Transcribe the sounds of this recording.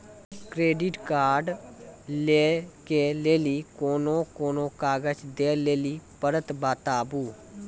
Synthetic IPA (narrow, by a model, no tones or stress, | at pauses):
kɾeːɖɪʈkaːɾɖleːkeːleːliːkoːnõːkoːnõːkaːɡət͡ʃd̪eːleːliːpəɾət̪baːt̪aːbuː